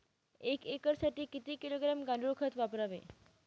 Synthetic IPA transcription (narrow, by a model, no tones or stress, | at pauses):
ekekəɾsaʈiːkit̪iːkiloɡɾamɡaɳɖɾokʰət̪ʋapɾaʋḛ